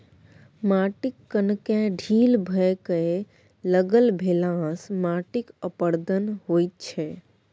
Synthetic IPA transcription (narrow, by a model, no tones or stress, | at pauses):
maːʈikːənkẽɖʱiːlbʱəekəe | ləɡəlbʱelãsmaʈikəpəɾd̪ənɦojt̪̚t͡ʃʰɛ